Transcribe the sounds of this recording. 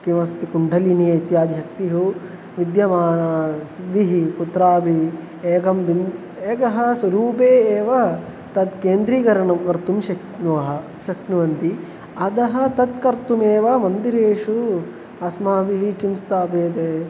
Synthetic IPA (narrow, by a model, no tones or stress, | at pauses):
kimɐst̪ikuɳɖʱɐlinijɐjt̪jaːd̪iʃɐk̚t̪iɦu | ʋid̪jɐmaːnɐsid̪ːiɦikut̪ɾaːbi | eːkɐmbin | eːkɐɦɐ̆sʋɐɾuːpeːeːʋɐ | t̪ɐd̪keːnd̪ɾiːɡɐɾɐɳɐmkɐɾt̪umʃɐknuʋɐɦɐ̆ | ʃɐknuʋɐnt̪i | ɐd̪ɐɦɐ̆t̪ɐt̪kɐɾt̪umeːʋɐmɐnd̪iɾeːʂu | ɐsmaːbiɦikimst̪aːpeːt̪e